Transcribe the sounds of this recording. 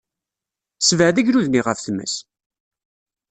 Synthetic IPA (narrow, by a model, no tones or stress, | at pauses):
svəʕðəʝɾuðniʁəfθəmːə̰s